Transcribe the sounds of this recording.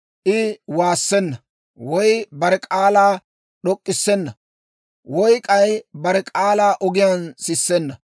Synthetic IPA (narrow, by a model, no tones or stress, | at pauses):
ʔɪwaːsːɛnːɐ | wɔjbɐɾɛkʼaːlaː | ɗɔkʼːɪsːɛnːɐ | wɔjkʼɐjbɐɾɛkʼaːlaːʔɔɡɪjɐnsɪsːɛnːɐ